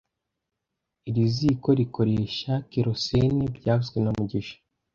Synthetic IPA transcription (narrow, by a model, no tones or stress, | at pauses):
iɾiziːko̞ɾikʰo̞ɾe̞ːʃakeɾo̞senebjaːzɡwenamuɟiʃḁ